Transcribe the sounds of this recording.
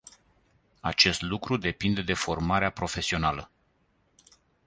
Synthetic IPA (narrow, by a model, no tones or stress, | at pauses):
at͡ʃe̞st̪lukɾud̪e̞pind̪e̞d̪e̞fo̞rmaɾeapɾo̞fe̞sio̞nalə